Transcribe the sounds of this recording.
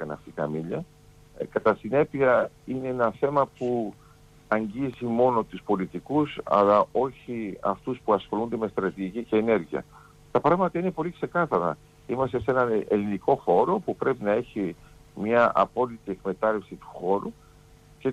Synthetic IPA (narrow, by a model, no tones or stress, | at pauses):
kɐnɐ̰ft̪ikɐ̰miʎɐ | kɐt̪ɐsine̞piɐ | ine̞enɐθe̞mɐpu | ɐɲɟizimo̞no̞t̪uspo̞lit̪ikusɐ̰lɐʔo̞çiɐ̰ft̪uspuɐsxo̞lund̪e̞me̞st̪ɾɐt̪iʝicice̞ːne̞ɾʝiɐ̰ | t̪ɐpɾɐɣmɐt̪ɐine̞po̞likse̞kɐθɐɾɐ̰ | imɐst̪e̞se̞nɐneliniko̞xo̞ɾo̞pupɾe̞pinɐe̞çi | mɲɐʔɐ̰po̞lit̪ie̞kme̞t̪ɐlefsit̪u̥xo̞ɾu | ce̞